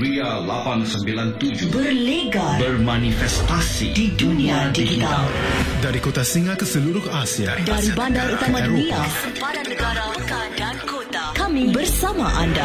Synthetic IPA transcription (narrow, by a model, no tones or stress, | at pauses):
ɾialapansəmbilant̪ud͡ʒʊbərleɡabərmanifɛst̪asḭdidunĩadid͡ʒit̪aaldaɾikot̪asiŋakəsəluɾʊhasiadaɾibandaɾut̪amãdunia | kamibərsamaʔanda